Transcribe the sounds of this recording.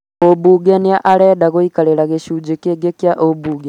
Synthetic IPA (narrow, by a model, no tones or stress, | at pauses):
obuɡɛniaʔalɛɗaɣoikalelaɣeʃud͡ʒekeɡekjaʔobuɡɛ